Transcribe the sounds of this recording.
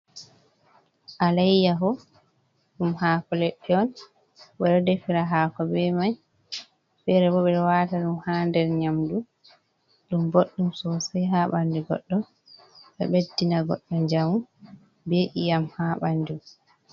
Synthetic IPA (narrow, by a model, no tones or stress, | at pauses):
ʔalajjaɦɔ | ɗumhaːkɔlɛɗːɛɔn | ɓɛɗɔdefiɾaɦaːkɔbɛmaj | fɛɾɛbɔɓɛɗɔwataɗumhandɛɾɲamdu | ɗumboɗːumsɔsɛɦaɓandiɡɔ̰ɗːɔ | ɓɛ̰ɓedːinaɡɔ̰ɗːɔnd͡ʒamu | beːʔijamhaɓandum